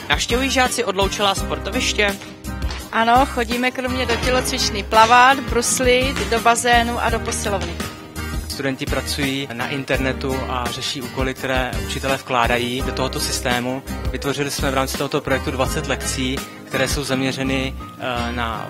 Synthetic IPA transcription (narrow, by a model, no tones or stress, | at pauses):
nafʃcɛvujiːʒaːt͡sɪʔo̞dlowt͡ʃɪlaːspoɾt̪ovɪʃcɛ | ʔano̞xo̞ɟiːmɛkɾo̞mɲɛdocɛlo̞t͡svɪt͡ʃniːplavad̪bɾuslɪt̪do̞bazɛːnuʔa̰do̞posɪlovnɪ | st̪udɛncɪpɾat͡sujiːnaʔɪnt̪ɛɾnɛt̪uʔarɛʃiːʔuːko̞lɪk̚t̪ɛɾɛːʔut͡ʃɪt̪ɛlɛfklaːdajiːdot̪o̞ɦot̪o̞sɪst̪ɛːmuvɪt̪vo̞r̝ɪlɪsmɛvɾaːmt͡sɪt̪oɦot̪opɾo̞jɛk̚t̪udvat͡sɛt̪lɛkt͡siː | kt̪ɛɾɛːso̞wzamɲɛrɛnɪ | na̰